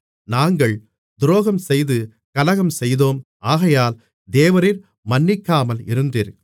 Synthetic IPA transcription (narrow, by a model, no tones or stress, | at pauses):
naːŋɡɐɭ | d̪ɾoːɣɐmsɛjðɯ | kɐlɐɣɐmsɛjðoːm | aːɣɐjaːl | d̪eːʋɐɾɪɾ | mɐnːɪkːaːmɐlɪɾɯnd̪iːɾ